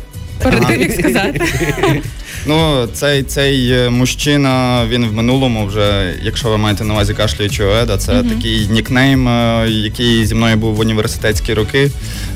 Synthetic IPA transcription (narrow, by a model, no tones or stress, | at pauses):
ɾɐɪikɐzɑt̪ɪ | nut̪sɛjt̪sɛjmʊʃt͡ʃɪnɐʋʲinʋmɪnulˠɔmʊwʒɛjɐkʃt͡ʃɔʋɪmɑjet̪ɛnɐʋɑzʲikɑʃlʲɪʋit͡ʃɪɔɛd̪ɐt̪sɛt̪ɐkʲɪjnʲiknɛjmjɐkɪjzʲimnɔjʊbuwʊnʲiʋersɪ̥t̪ɛtʲsʲkʲiɾʊkɪ